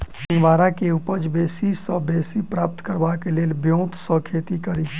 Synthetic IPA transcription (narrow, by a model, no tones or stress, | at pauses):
sɪ̃ŋɡʋaːɾakeʊpəd͡ʒbeːsisəbeːsipɾaːp̚t̪kəɾbakeleːlbjõːt̪sɔkʰeːt̪ikəɾi